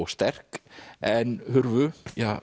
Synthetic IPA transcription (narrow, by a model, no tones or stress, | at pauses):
wst̪ɛr̥kɛnhʏɾvʏjaː